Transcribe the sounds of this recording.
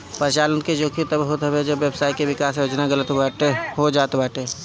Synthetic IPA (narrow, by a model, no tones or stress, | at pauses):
pəɾt͡ʃaːlənked͡ʒoːkʰit̪əbɦot̪ɦəbed͡ʒəbʋjeːbsaːikeʋɪkaːsjoːd͡ʒnaɡələt̪aʈeɦod͡ʒaːt̪baːʈeː